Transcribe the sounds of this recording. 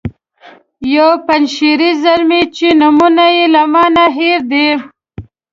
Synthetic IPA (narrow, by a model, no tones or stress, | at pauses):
jowpanʃiɾizaɾmit͡ʃinʊmunajelamɑnaɦeɾd̪e